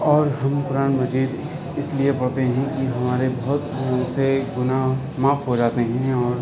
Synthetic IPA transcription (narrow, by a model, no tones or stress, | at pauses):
ɔːɾɦɐmpʊɾaːnmɐd͡ʒiːd̪ | ɪsliepɐɽt̪eɦɛ̃kiɦɐmaːɾebɐɦʊt̪seɡʊna | maːfʰɦod͡ʒaːt̪eɦɛ̃ɔːɾ